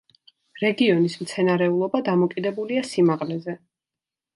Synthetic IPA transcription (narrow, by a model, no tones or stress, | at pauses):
ɾɛɡiɔnismt̪sʰɛnaɾɛulˠɔbad̪amɔkʼid̪ɛbuliasimaʁlɛzɛ